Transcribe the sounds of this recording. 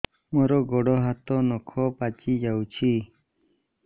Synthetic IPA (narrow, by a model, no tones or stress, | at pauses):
mɔɾɔɡɔɽɔɦat̪ɔnɔkʰɔpat͡ʃid͡ʒawt͡ʃʰi